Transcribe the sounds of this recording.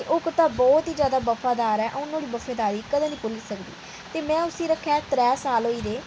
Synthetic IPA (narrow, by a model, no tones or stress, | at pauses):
eʔʊkt̪ãːbɔːt̪ɦiːzjaːd̪aːbəfaːd̪aːɾɛːʔʊnːõːɽiːbəfeːd̪aːɾiːkəd̪ẽːnĩːpʊlːsəkd̪ḭː | t̪eːmɛ̃ːʊsĩːɾəkʰːɛːt̪ɾɛːsaːlɦoːiːd̪eː